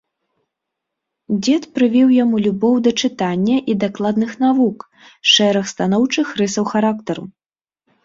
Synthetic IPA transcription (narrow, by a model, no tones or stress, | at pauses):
d͡zʲɛt̪pɾɨvʲiwjamulʲubɔwd̪ɐt͡ʂɨt̪anʲːɐʔid̪aklˠad̪nɨxnavuk | ʂɛɾɐxst̪anɔwt͡ʂɨxrɨsɐwxaɾakt̪ɐɾṵ